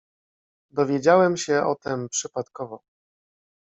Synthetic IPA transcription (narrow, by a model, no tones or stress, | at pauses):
d̪ɔvʲjed͡ʑawɛmɕɛʔɔ̰t̪ɛmpʂɘpat̪kɔvɔ